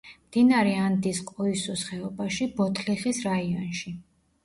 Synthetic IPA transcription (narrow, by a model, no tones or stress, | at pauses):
md̪inaɾɛand̪isqʼɔisusχɛɔbaʃibɔt̪ʰliχisɾaiɔnʃi